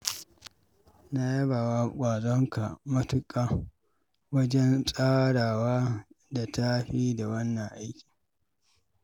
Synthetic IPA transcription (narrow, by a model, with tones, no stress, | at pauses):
na˦jɐ˦baː˨wa˦kʷʼaː˨zɔ˦ŋka˨mɐ˦tʊ˦kʼaː˦ | wɐ˦d͡ʒɛ˦nsʼaː˦ɽaː˨waː˦da˨ta˦ɸiː˦da˨wɐ˦nːɐ˨ŋʔa˦jkʲi̥˨